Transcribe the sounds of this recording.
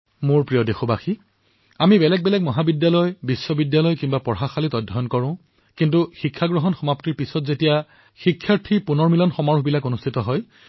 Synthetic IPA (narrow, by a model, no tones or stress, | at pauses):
moɹpɹijɔdexobaxi | amibɛlɛɡ̚bɛlɛkmɔɦabidjalɔjbisːɔbidjalɔjkimbapɔɹɦaxalitɔdʱːɔjɔnkɔɹʊ̃ | kintuxikʰːaɡɹɔɦɔnxɔmaptiɹpisɔtzetija | xikʰːaɹtʰipunɔɹmilɔnxɔmaɹuɦbilakonustʰitɔɦɔj